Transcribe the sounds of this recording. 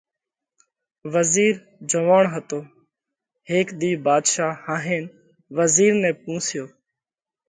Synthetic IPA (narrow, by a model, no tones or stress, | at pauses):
ʋəziːɾ | d͡ʒəʋaːɳɦət̪oː | ɦeːkd̪iːbaːd̪ʃaːhãːɦeːn | ʋəziːɾnẽːp̚ũːsɪjoː